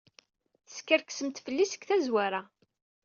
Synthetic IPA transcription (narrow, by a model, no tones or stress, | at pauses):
θskəɾksəmt̪fəlːisə̥kθæzwaɾa